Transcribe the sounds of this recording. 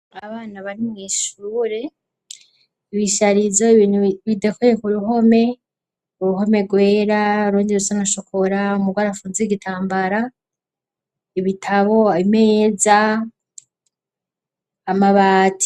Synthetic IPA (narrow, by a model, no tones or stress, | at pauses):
aβaːnaβaɾimŋiːʃuːɾe̞ | iβiʃaɾizoiβiːnuβidekujekuɾuho̞me̞ | uɾuho̞me̞ɡweːɾaɾuːndiɾusanaʃokʰoɾaumuɡwaːɾafuzeɡitʰaːmbaɾa | iβitʰaβo̞aimeza | maβaːtʰi̥